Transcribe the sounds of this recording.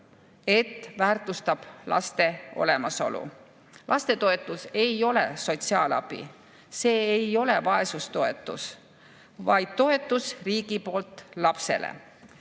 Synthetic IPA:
e̞t̪ːvæːrt̪ˑust̪ɑb̥lɑ̰st̪e̞o̞̰le̞mɑso̞̰lṵ | lʔɑst̪et̪o̞e̞t̪ːˑuse̞jo̞le̞̰so̞t̪siɑːlɑ̰b̥ḭ | se̞ːejo̞le̞vɑe̞sust̪o̞e̞̰t̪ːˑus | vɑjd̪̥̚t̪o̞e̞t̪ːˑusriːɡ̥ipo̞ːlt̪ˑlɑpse̞̰lḛ

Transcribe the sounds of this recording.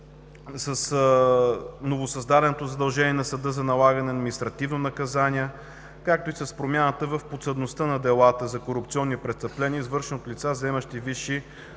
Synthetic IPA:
səs | novosɐzd̪ad̪ɛnot̪ozɐd̪ɐlˠʒɛniɛnɐsɐd̪ɤzɐnɐlˠaɡənɛɐd̪minist̪ɾɐt̪ivnonɐkɐzaniɛ | kak̚t̪oisɐspɾomʲjanət̪əvəfpot̪səd̪nost̪ənɐd̪ɛlˠat̪əzɐkoɾupt̪siɔnːipɾɛst̪əplɛniizvɤɾʃɛnot̪lʲit̪sazɛmɐʃt̪iviʃi

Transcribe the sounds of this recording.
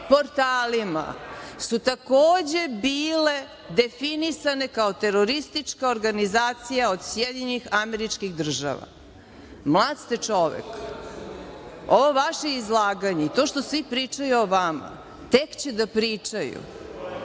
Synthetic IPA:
po̞ɾt̪aːlima̰sut̪akoːd͡ʑe̞biːle̞ | d̪e̞finisane̞kao̞t̪e̞ɾoɾist̪it͡ʃkaoɾɡanizaːt̪sijaod̪sjed̪ɲɲixameɾit͡ʃkixd̪r̩ʒa̰ʋa̰ | mlˠaːd̪st̪et͡ʂo̞ʋḛk | oʋo̞ʋaʃeizlˠaːɡaɲeit̪o̞ʃt̪o̞sʋipɾit͡ʂajuoʋama̰ | t̪ekt͡ɕed̪apɾit͡ʂajṵ

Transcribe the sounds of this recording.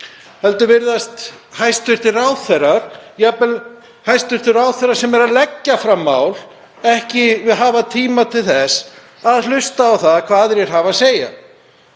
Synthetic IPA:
hɛlt̪ʏvɪɾðast̪ | hajst̪ʏɾ̥t̪ɪraːwθɛɾaɾ̥japɛl | hajst̪ʏɾ̥t̪ɪɾraːwθɛɾaɾ̥sɛmɛɾalɛcːafɾamːaːwl | ɛhcɪvɪðɦaːvat̪ʰiːmat̪ʰɪlθɛs | aðlʏst̪aːwθaðkʰvaːðɾjɛɾ̥ɦaːvaseːja̰

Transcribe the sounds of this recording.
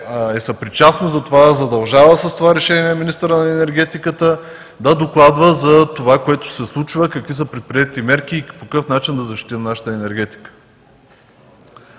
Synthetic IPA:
ɛsɐpɾit͡ʃasnozɐt̪ovazɐd̪ɐlˠʒavəsɐst̪ovaɾɛʃɛniɛminist̪əɾənɐɛnɛɾɡ̟ɛt̪ikət̪ə | d̪ɐd̪oklˠad̪vəzɐt̪ovakoɛt̪ʊ̥sɛslˠut͡ʃvəkɐkvisəpɾɛt̪̚pɾiɛt̪imɛɾk̟ʲipokkɤfnat͡ʃind̪ɐzɐʃt̪i̥t̪innaʃə̥t̪əɛnɛɾɡ̟ɛt̪i̥kə̥

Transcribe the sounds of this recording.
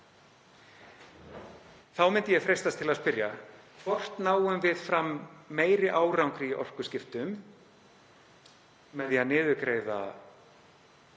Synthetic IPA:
θawmɪnt̪ɪjɛfɾejst̪ast̪ʰɪlaðspɪɾjakʰvɔr̥t̪naːwʏmvɪðfɾamːeːjɾɪʔaːwrawŋkɾijɪʔɔ̰r̥kʏ̥scɪft̪ʏm | ɛðjanɪːðʏkɾeːjða̰

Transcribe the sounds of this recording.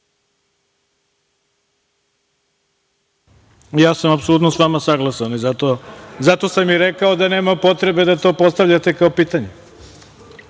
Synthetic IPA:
jaːsamapsolut̪nosʋamasaɡlˠasanizat̪ozat̪o̞samjiɾekaod̪ane̞ːmapo̞t̪ɾe̞be̞d̪at̪o̞ːpo̞st̪aʋʎat̪e̞kaopiːt̪aɲe

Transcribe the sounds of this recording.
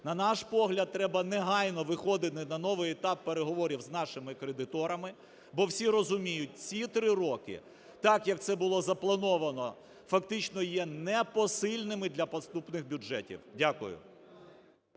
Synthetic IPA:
nɐnɑʃpɔɦlʲɐd̪̚t̪ːɾɛbɐnɛɦɑjnɔʋɪxɔd̪ɪt̪ɪnɐnɔʋɪjet̪ɑpːeɾeɦɔʋɔɾʲiwznɑʃɪmɪkɾed̪ɪt̪ɔɾɐmɪ | bɔwsʲiɾɔzʊmʲijʊt̚ʲt͡sʲit̪ɾɪɾɔkɪ̰ | t̪ɑkjɐk̚t̪sɛbʊlˠɔzɐplˠɐnɔʋɐnɔ | fɐkt̪ɪt͡ʃnɔjɛnɛpɔsɪlʲnɪmɪd̪ʲlʲɐpɔst̪upnɪxbʲʊʒɛtʲḭwdʲakʊ̰jʊ̰

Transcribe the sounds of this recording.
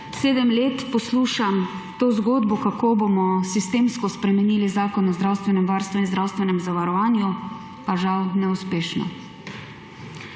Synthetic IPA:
seːd̪ɛmleːt̪pɔsluːʃam | t̪oːzɡoːd̪bɔkakoːbomɔsist̪eːmskɔspɾɛmɛniːlizaːkɔnɔzd̪ɾaːwst̪ʋɛnɛmʋaːɾst̪ʋɛinzdɾaːwst̪ʋɛnɛmzaʋaɾɔʋaːnju | paʒawnɛuspeːʃnɔ̰

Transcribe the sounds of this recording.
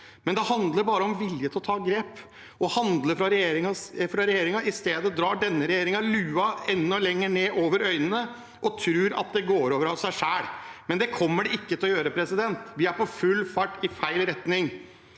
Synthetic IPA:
mɛnd̪ɛhɑnd̪ləɾbɑːɾəɔmʋɪljət̪ʰɔt̪ʰɑːɡɾeːp | ɔhɑnd̪ləfɾɑɾɛjeːɾɪŋɑfɾɑɾɛjeːɾɪŋɑɪst̪eːd̪əd̪ɾɑːɖɛnːəɾɛjeːɾɪŋɑlʉːɑɛnːɔlɛŋːəɳeːʔoːʋəɾœʏnənə | ʔɔt̪ʰɾʉːɾɑ̰t̪̚d̪ɛɡoːɾoːʋəɾɑsæɪʂæːɽmɛnd̪ɛkʰɔmːəɖɛɪkːət̪ʰɪlɔjøːɾəpʰɾɛsɪd̪ɛnt̪ʋɪæɾpʰɔfʉlːfɑʈːɪfæɪlɾɛt̪nɪŋ

